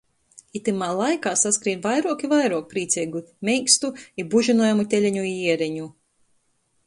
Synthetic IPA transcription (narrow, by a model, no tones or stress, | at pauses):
it̪ɨmaːlˠajkaːsaskɾiːnvajɾuɔkivajɾuɔk̚pɾiːt̪sʲɛɡut̪ʲmʲɛjkst̪uibuʒinuɔjamut̪ʲelʲɛɲuiiɛɾɛɲu